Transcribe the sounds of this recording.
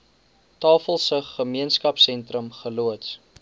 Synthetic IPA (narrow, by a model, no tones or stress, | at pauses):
tɑːfəlˠsəχəmiənskɐpsɛntrəmχəluəts